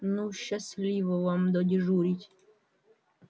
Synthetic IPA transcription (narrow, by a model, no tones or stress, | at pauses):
nuʃːasʲlʲiʋɔʋamd̪ɔdʲiʐuɾʲitʲ